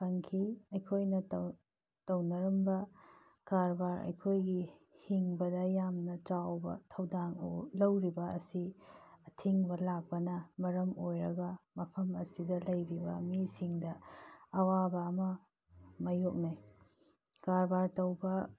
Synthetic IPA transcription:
pʰɐŋkʰiɐjkʰojnɐt | tɐwnɐɾɐmbɐ | kaɾbaɾɐ̰jkʰojɡi | hiŋbɐdɐjamnɐt͡ʃawbɐ̰tʰɐwdaŋ̰lɐwɾibɐɐsiɐtʰiŋbɐlak̚pɐnɐmɐɾɐmojɾɐɡɐmɐpʰɐmɐsidɐlɐjɾibɐ̰misiŋdɐː | wabɐːmɐ | mɐjok̚nej | kaɾbaɾtɐwbɐ

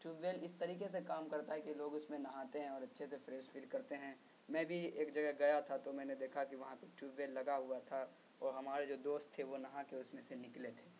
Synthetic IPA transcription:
ʈjuːbʋeːlɪst̪ɐɾiːkes̬ekaːmkɐɾt̪aɦɛkiloːɡʊsmẽnɐɦaːt̪eɦɛ̃ɔːɾɐtːʃʰesefɾeːsfɪlkɐɾt̪eɦɛ̃ | mɛ̃ːbʱieːkd͡ʒɐɡɛɦɡɐjat̪ʰat̪omɛ̃ːned̪eːkʰakiʋɐɦãpeʈjuːbʋeːlːɐɡaɦʊat̪ʰa | ɔːɾɦɐmaːɾed͡ʒoːd̪oːst̪ʰːeʋonɐɦãkeʊsmẽsenɪklet̪ʰe̥ː

